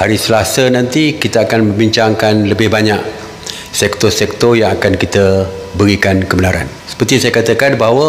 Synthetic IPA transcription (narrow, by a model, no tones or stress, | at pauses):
haɾisəlasənãnt̪ikit̪aakanmə̃mbiɲt͡ʃaŋkanləbɪhbaɲak | sɛk̚t̪ɔsɛk̚t̪ɔjaŋakankit̪əbəɾikankəbənaɾa̰n | sə̥pərt̪isajakat̪akanbaɦawə